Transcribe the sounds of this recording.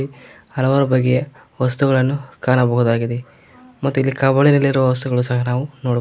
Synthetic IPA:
i | hɐlɐʋaːɾubɐɡːɛjɐ | ʋɐst̪uɡɐɭɐnːukaːnɐbɐɦud̪aːɡid̪e | mɐt̪ːuilːikɐbɐɭinelːiɾuʋɐʋɐs̬t̪uɡɐɭusɐɦɐnaːʋunoːɽ

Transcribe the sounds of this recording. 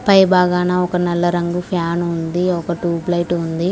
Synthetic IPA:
pɐjbaːɡaːnaːɔkɐnɛlːɐɾɐŋɡupʰjaːnund̪iɔkɐʈuːplɐjʈund̪i

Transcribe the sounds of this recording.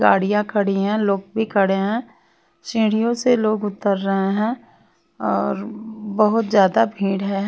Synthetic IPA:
ɡa̰ːɽijãkʰɐɽ̤iɦɛ̃loːɡ̚bʱikʰɐɽeɦɛ̃ː | ʃĩːɽ̤ijõseloːɡʊt̪əɾːəɦeɦɛ̃ː | ɔːɾbɐɦʊt̪zjaːd̪abʱĩːɽɦɛɦ

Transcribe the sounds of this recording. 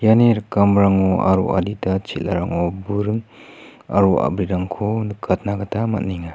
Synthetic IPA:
janeɾkamɾaŋɔa̰ɾṵʔa̰ditat͡ʃʰila̰ɾaŋɔbuɾɯŋ | a̰ɾua̰bɾiɾaŋkʰonkʰat̚naɡatʰama̰t̚niŋa

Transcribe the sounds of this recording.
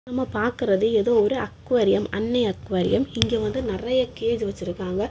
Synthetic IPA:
nɐmːɐpaːɾkɯrɐðɯɛðoːɔɾɯɐkːɯʋɐɾɪjɐmɐnːɐɪɐkːɯʋɐɾɪ̰jɐmɪŋɡeːʋɐnd̪ɯnɪrɐjɐkeːðɯʋɐt͡ʃːɪɾɯkːaːŋɡɐ

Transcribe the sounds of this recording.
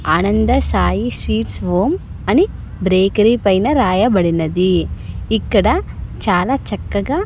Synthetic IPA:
aːnɐnd̪ɐsaːjisʋiːʈsʋoːm | ɐni | bɾeːkɐɾipɐjnɐɾaːjɐbɐɽinɐd̪iikːɐɽɐt͡ʃaːlaːt͡ʃɐkːɐɡaː

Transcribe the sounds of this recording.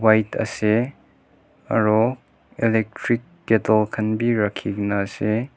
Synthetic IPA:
wajtʰɐ̰se | ɐ̰ɾɔ | elek̚tʰɾik̚ɡetɐlkʰɐnbiɾɐkʰiknɐːse

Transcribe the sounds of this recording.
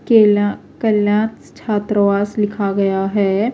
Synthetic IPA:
ke | kɐljãːt̪ | t͡ʃʰaːt̪ɾəʋaːslɪkʰaɡɐjaɦɛː

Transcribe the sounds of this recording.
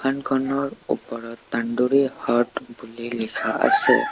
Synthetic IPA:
ankʰɔnɔɹṵpɔɹɔtːanduɹihatbulilikʰaa̰sɛ̰

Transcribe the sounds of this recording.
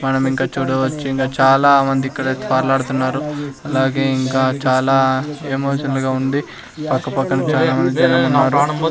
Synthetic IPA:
mɐnɐmiŋkaːt͡ʃuːɽɐʋɐt͡ʃːiiŋkaːt͡ʃaːlaːmɐnd̪iːkːɐɽɐt̪paːɾlaːɽut̪unːaːɾuɐlaːɡe̞ːiŋkaːt͡ʃaːlaːemoːʂɐnɐlɡaːund̪i | pɐkːɐpɐkːɐnɐt͡ʃaːlaːmɐnd̪id͡ʒ̪ɐnɐmunːaːɾu

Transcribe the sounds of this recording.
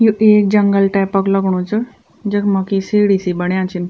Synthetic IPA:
juʔeːk̚d͡ʒɐŋɡəlʈaːpəklɐɡɽ̃ũt͡ʃɨ | d͡ʒɐkmɐkisiːɽiːsibɐɽjãːt͡ʃin

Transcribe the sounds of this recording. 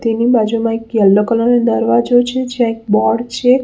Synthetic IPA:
t̪enibad͡ʒumãekjəlːokəloned̪əɾʋad͡ʒot͡ʃʰed͡ʒeãek̚bɔɽt͡ʃʰe

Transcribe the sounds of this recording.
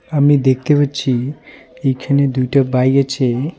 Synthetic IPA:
amid̪ek̚ʰt̪epaɾt͡ʃʰiejkʰaned̪ujʈabajɡat͡ʃʰe

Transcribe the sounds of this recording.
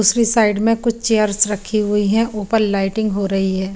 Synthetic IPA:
uːsɾisaːɪɖmẽkʊt͡ʃʰt͡ʃeːjəɾsɾɐkʰiɦʊiɦɛ̃ʔoːpənlaːɪʈɪ̃ŋɡɦoɾɐɦiɦɛː

